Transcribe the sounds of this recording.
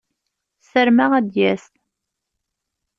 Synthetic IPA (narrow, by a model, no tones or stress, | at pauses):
səɾmæʁæd̪jæst̪